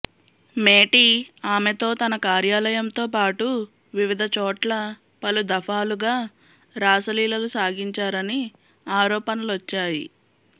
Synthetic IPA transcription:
meːʈiaːmet̪o̞ːt̪ɐnɐkaːɾjaːlɐjɐmt̪o̞ːpaːʈu | ʋiʋid̪ʱɐt͡ʃɔːʈlɐ | pɐlud̪ɐfʰaːluɡaː | ɾaːsɐliːlɐlusaːɡiɲt͡ʃaːɾɐni | aːɾɔːpɐnɐluʋɐt͡ʃːaːjḭ

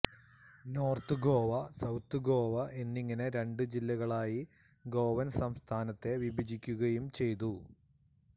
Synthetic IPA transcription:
no̞ːrt̪ɨɡo̞ːʋɐsɐwt̪ːɨɡo̞ːʋɐʔe̞nːiŋːɐne̞ɾe̞ɳɖɨd͡ʑilːɐɣɐɭaːji | ɡo̞ːʋɐnsɐmst̪ʰaːnɐt̪ːe̞ʋibʱid͡ʑikʲːuɣɐjumt͡ɕe̞jt̪̬u

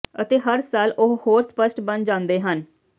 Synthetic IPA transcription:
ət̪eːɦəɾsaːlʊɦhoːɾspəʃʈbənd͡ʒãːnd̪eːɦən

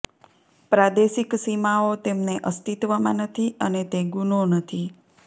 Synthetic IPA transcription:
pɾad̪eʃiksimaot̪emneʔəst̪it̪ʋamãnət̪ʰiənet̪eɡunonət̪ʰi

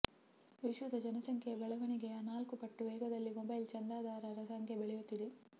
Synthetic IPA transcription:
ʋiʃʋud̪ɐd͡ʒɐnɐsɐŋkʰebɐɭɐʋɐɳiɡeanaːlkupɐʈːuʋɛːɡɐd̪ɐlːimobɐjlt͡ʃɐnd̪ɾaːd̪aːɾɐɾɐsɐŋkʰebeɭɛjut̪ːid̪e

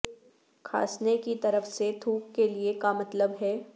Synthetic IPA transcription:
kʰa̰ːsnekit̪ɐɾəfset̪ʰuːkːeliekamɐt̪ləbɦɛː

